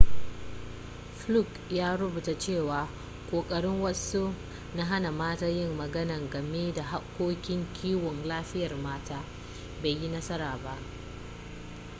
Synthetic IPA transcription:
ɸlu˦˨k | jaː˦ɽʊ˦buː˨ta˨t͡ʃeː˦˨waː˨ | kʷʼoː˨kʼɐ˦ɽɪ˦ŋwɐ˦su˦ | na˦ɦa˦na˨maː˦taː˦jɪ˦mːɐ˨ɡɐ˦nɐ˨ŋɡɐ˨meː˦da˨ɦa˦kʷːoː˦kʲɪ˦ŋkʲʰiː˦wɔ˨nlaː˦ɸɪ˦jɐ˨rmaː˦taː˦ | be˨jji˦nɐ˦sɐ˦ɾaː˨ba˦ʔ

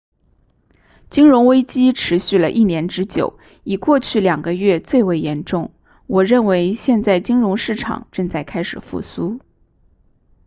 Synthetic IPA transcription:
t͡ɕi˥ŋɻʊ˧˥ŋwe˥ɪt͡ɕi˥ʈ͡ʂʰɻ̩˧˥ɕy˥˩lə˩ʔi˥˩njɛ˧˥nʈ͡ʂɻ̩˧˥t͡ɕjo˨˩˦ʊ | i˨˩kwɔ˥˧t͡ɕʰy˥˩ljɑ˨˩ŋɡə˦ɥɛ˥˧t͡swe˥˩ɪwe˧˥˩ɪjɛ˧˥nʈ͡ʂʊ˥˩ŋ | wɔ˨˩ɻə˥˩nwe˧˥ɪɕjɛ˥˧nt͡sa˥˩ɪt͡ɕi˥ŋɻʊ˧˥ŋʂɻ̩˥˩ʈ͡ʂʰɑ̰˨˩ŋʈ͡ʂɤ˥˧ŋt͡sa˥˩ɪkʰa˥ɪʂɻ̩˨˩fṵ˥˩su˥

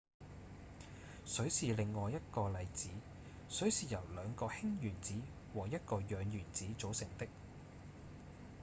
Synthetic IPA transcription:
sɵ˨˥ɥsiː˨lɪ˨ŋːɔː˨˧jɐ˥t̚kɔː˧lɐ˨˧jt͡siː˨˥ | sɵ˨˥ɥsiː˨jɐ˨˩wlœː˨˧ŋkɔː˧hɪ˥ŋjyː˨˩nt͡siː˨˥ | wɔː˨˩jɐ˥t̚kɔː˧jœː˨˧ŋjyː˨˩nt͡siː˨˥t͡so˨˥wsɪ˨˩ŋt̪ɪ˥k̚

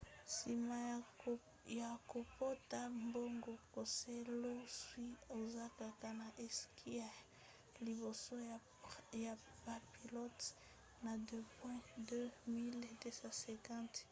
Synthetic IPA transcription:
si˨ma˨ | ja˨ko˨po˦ta˦mbo˦ŋɡo˨ko˨se˦lo˦swi˦o˨za˦ka˨ka˨na˨ʔe˦ski˦a˦˨ | li˨βo˨so˦ | ja˨ | ba˨pi˨lɔ˦t | na˨dø˦pwɛ̃˦dø˦mi˦lde˦sã˦sɛ̃˨kɑ̃˦t

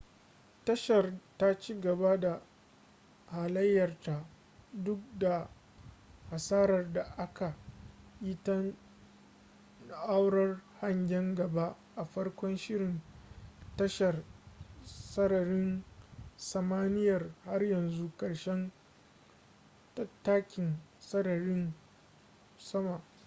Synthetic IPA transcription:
tɐ˦ʃɐ˨rta˦t͡ʃiː˦ɡɐ˨ba˦da˨ | haː˨lɐ˦jːɐ˨rta˨ | dʊ˦k̚da˨ | ha˨saː˦ɾɐ˨rda˨ʔa˦ka˨ʔɪ˦tɐ˦n | ʔa˦wɽɐ˦rha˦ɲɡʲɛ˦ŋɡɐ˨ba˦ | ʔa˨ɸɐ˦rkʷɔ˦nʃɪ˦ɽɪ˨n | tɐ˦ʃɐ˨r | sɐ˦ɽɐ˨ɽɪ˦n | sɐ˨maː˦nɪ˦jɐ˨rha˦rjɐ˨nzu˦kɐ˨ɽʃɛ˦n | tɐ˦tːaː˦kʲɪ˨nsɐ˦dɐ˨ɾɪ˦n | sɐ˦ma˨ʔ

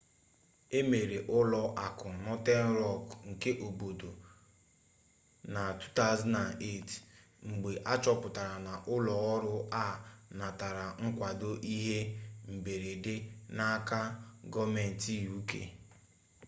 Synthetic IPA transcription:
e˦me˨ɾe˨ʔʊ˦lɔ˦ʔa˨kʊ˨nɔ˦te˦n̩˦ɾɔ˦˨kŋ̩˨ke˦ʔo˨bo˨do˨ | na˨tu̥˦ta˦˨˦zna˨ne˦˨t | ŋ͡m̩˨ɡ͡be˨ʔa˦t͡ʃɔ˦pʊ˨ta˨ɾa˨na˨ʔʊ˦lɔ˨ɔ˦ɾʊ˦a˦˨na˨ta˨ɾa˨ŋ̩˦kʷa˨do˦ʔi˦ɦe˦m̩˨be˨ɾe˨dɪ˦na˦ka˦ɡɔ˦me˨n̩˨ti˦u˦kḛ˦

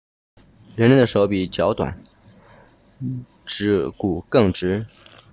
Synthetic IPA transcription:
ɻə˧˥nɻə˥nd̪ə˧ʂo˧˥ʊpi˨˩t͡ɕjɑ˧˥ʊt̪wa̰˨˩˦n | ʈ͡ʂɻ̩˧˥˩ku˨˩kɤ˥˩ŋʈ͡ʂɻ̩˧˥

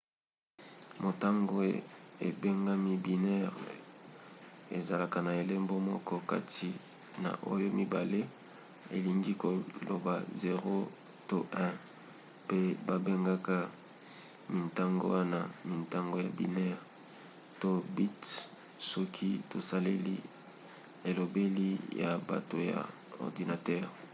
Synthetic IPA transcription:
mo˨ta˦ŋɡo˦˨ḛ˨be˦ŋɡa˦mi˦bi˨nɛ˦ʁ | ḛ˨za˨la˨ka˨na˨e˨le˦mbo˦mɔ˦kɔ˦ka̰˦tʰi˨ | na̰˨ʔo̰˦jo˦mi˦ba˨le˦ | ḛ˨li˨ŋɡi˦ko˨lo̰˨ba˨ze˨ʁo˦ | to˦ʔɛ̃˦ | pe˦ba˦be˦ŋɡa˦ka˦ | mi˨nta˦ŋɡo̰˦wa˦na˨mi˨nta˦ŋɡo˦ja˨bḭ˨nɛ˦ʁ | to˦bi˦t | sɔ˦kʰi˦to˨sa˦le˦li˦ | e˨lo˨be˦li˦ja̰˨ba̰˨to˨ja̰˨ | ɔ̰˨ʁdi˨na˨tɛ˦ʁ

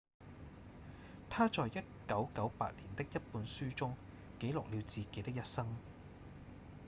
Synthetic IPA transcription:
t̪ʰaː˥t͡sɔː˨jjɐ˥t̚kɐ˨˥wkɐ˨˥wpa̰ː˧t̚liː˨˩nt̪ɪ˥k̚jɐ˥t̚puː˨˧nsyː˥t͡ʃʊ˥ŋ | ke˨˥jlʊ˨k̚liː˨˧wt͡siː˨ke˨˥jt̪ɪ˥k̚jɐ˥t̚sɐ˥ŋ

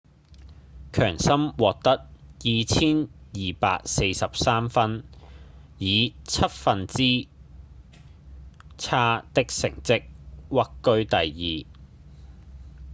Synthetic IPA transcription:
kʰœ̰ː˨˩ŋsɐ˥mwɔː˨k̚t̪ɐ˥k̚jiː˨t͡sʰiː˥njiː˨pa̰ː˧k̚se˧jsɐ˨p̚saː˥mfɐ˥n | jiː˨˧t͡sʰɐ˥t̚fɐ˨nt͡siː˥ | t͡sʰaː˥t̪ɪ˥k̚sɪ̰˨˩ŋt͡sɪ˥k̚wɐ˥kːɵ˥ɥt̪ɐ˨jːiː˨˩

